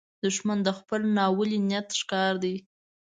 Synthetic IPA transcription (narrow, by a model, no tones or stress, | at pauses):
d̪əʒmand̪əxpəlnɑwəlinjat̪ʃkɑɾd̪i